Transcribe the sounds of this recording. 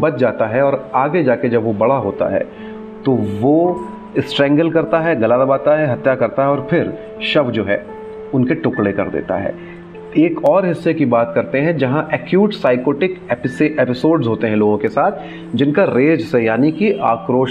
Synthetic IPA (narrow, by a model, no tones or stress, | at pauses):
bɐt̪̚d͡ʒaːt̪aɦɛɔːɾaːɡed͡ʒaːked͡ʒɐbʋobɐɽaɦoːt̪a̰ɦɛ̰ː | t̪oʋo | ɪsʈɾɛ̃ːŋɡəlkɐɾt̪aɦɛɡɐlad̪əbaːt̪aɦɛɦɐt̪jakɐɾt̪aɦɛɔːɾfʰɪɾ | ʃɐʋd͡ʒoːɦɛː | ʊnkeʈʊkɽekɐ̰ɾd̪ḛːt̪a̰ɦɛ̰ː | eːkɔːɾɦɪsːekibaːt̪kɐɾt̪eɦɛ̃d͡ʒɐɦãʔɛːkjuːʈsaːɪkoːʈɪkɛpɪseɛːpɪsoːɾɖzɦoːt̪eɦɛ̃loːɡõkesaːt̪ʰ | d͡ʒɪnkaɾeːd͡ʒsejaːnikiʔaːkɾoːʃ